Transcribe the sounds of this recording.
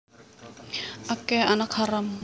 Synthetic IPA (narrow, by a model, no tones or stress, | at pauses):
akɛanakʰaɾam